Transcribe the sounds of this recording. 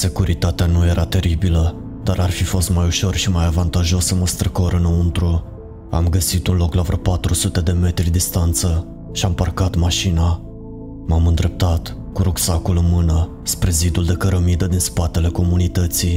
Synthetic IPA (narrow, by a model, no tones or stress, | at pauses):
se̞kuɾit̪at̪eanuje̞ɾat̪e̞ɾibilə | d̪̥aɾarfifo̞st̪majuʃo̞rʃimajavant̪aʒo̞səməst̪ɾəkoɾɨnunt̪ɾu | a̰mɡəsit̪unlo̞klavɾəpat̪ɾusut̪e̞d̪e̞me̞t̪ɾʲid̪ist̪ant̪sə | ʃiamparkat̪maʃina | mamɨnd̪ɾe̞p̚t̪at̪ | kuɾuksakulɨnmɨnə | spɾe̞zid̪uld̪e̞kəɾəmid̪əd̪inspat̪e̞le̞ko̞munit̪ət̪si